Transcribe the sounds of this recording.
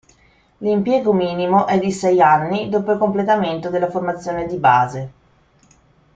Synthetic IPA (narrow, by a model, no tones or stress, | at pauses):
limpjɛːɡomiːnimoʔɛd̪ːisɛjanːid̪oːpoilkomplet̪ament̪od̪elːaformat̪sːjoːned̪ibaːze